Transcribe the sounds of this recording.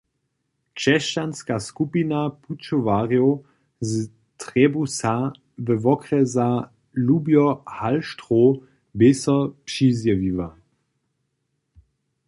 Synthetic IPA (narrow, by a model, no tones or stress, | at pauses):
t͡ʃɛʃt͡ʃanskaskupinaput͡ʃɔvaʁjo | z | tʁɛbusa | vɛvɔkʁɛza | lubjɔhalʃtʁo | bɪsɔpʂizjaviva